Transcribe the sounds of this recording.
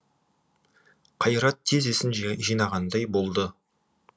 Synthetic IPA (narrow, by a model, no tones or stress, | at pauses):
qʰɑjɾɑt̪ʰːezesɪnʒijnɑʁɑnd̪ɑjbo̞lˠd̪ə